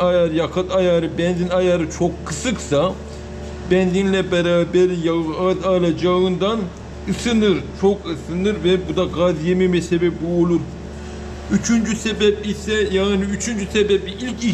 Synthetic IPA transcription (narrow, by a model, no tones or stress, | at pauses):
ajaɾjakʰat̪ʰajaːɾɯbɛnzinajaːɾɯt͡ʃʰokʰːɯsɯksa | bɛnzinlʲɛbɛɾaːbɛɾijaazalˠad͡ʒaɯnd̪an | ɯsɯnɯɾt͡ʃʰokɯsɯnɯɾvɛbud̪aɡazjemɛmɛsɛbɛpuolˠuɾ | yt͡ʃʰynd͡ʒysebɛp̚isɛjaniyt͡ʃʰynd͡ʒysebɛplʲiilʲci